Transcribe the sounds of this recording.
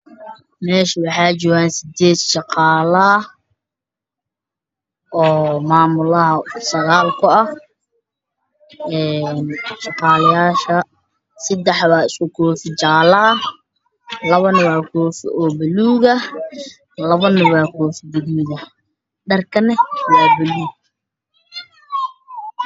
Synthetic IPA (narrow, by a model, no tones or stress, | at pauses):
mɛːʃɐwɑħɑːt͡ʃɔːɣaːnsɪd̪ɛːd̪ʃɑqɑːlɐ | ʔɔːmaːmʊlɐɦɐsɐɣaːlkʰʊɐh | ɛːnʃɑqɑːlɐjaːʃɐ | sɐd̪ɛħβaːɪskʊkʰɔːfɪt͡ʃaːlɐ | lɐβɐnɪwɑːkʰɔːfɪ̰ʔɔːbɐluːɣɐ | lɐβɐnɪwɑːkʰɔːfɪbɪðuːðɐ | ɖɐrkʰɐnɪwaːbɪluːɡ̚